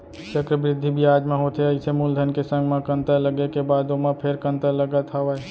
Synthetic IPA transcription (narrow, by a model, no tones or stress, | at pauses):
t͡ʃəkɾəbɾɪd̪ʱːibʱiaːd͡ʒmẽɦoːt̪eɐɪsemuld̪ʱənkesə̃ŋɡmãkə̃nt̪ələɡekebaːd̪omãpʰeɾkə̃nt̪əɾləɡət̪ɦaʋaɛ